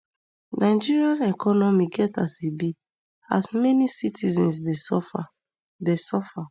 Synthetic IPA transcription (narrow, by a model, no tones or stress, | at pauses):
nãɪd͡ʒiɹiãnɛkɔnɔmiɡɛtasibi | a̰smɛnisitʰizɛ̃ns̬desɔfa | desɔfa